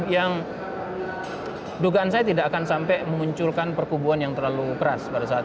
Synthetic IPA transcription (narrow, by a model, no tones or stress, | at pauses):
jaŋ | duɡaːnsajat̪idaʔːkansampɛməmuɲt͡ʃʊlkanpərkubuanjaŋt̪ərlalukəɾaspaɾasat̪